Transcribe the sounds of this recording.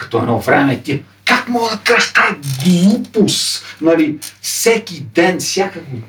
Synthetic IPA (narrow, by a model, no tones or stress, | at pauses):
kɐ̥t̪ɔɛ̰nɔvɾɛmɛt̪ʲiə | kakmɔɡəd̪ɐkaʒ̥t̪ajɡlˠupusnɐlifsɛkʲid̪ɛnfsʲjakəɡo